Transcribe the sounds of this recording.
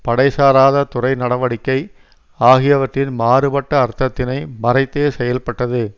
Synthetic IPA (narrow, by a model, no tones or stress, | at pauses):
pɐɽɐɪsaːɾaːðɐt̪ʊrɐɪnɐɽɐʋɐɽɪkːɐɪ | aːɣɪjɐʋɐʈrɪnmaːɾɯbɐʈːɐːɾt̪ːɐt̪ːɪnɐɪmɐrɐɪt̪ːeːsɛjɐlpɐʈːɐðɯ